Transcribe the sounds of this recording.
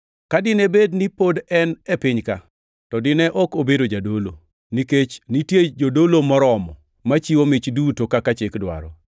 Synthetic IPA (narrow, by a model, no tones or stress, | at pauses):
kadɪnebednipodɛnɛpɪɲka | tɔdɪnɛʔɔkobedod͡ʒadolo̰ | niket͡ʃnitjed͡ʒodolomɔɾɔmɔ̰ | mat͡ʃiwomɪt͡ʃdutokakat͡ʃekdwa̰ɾɔ̰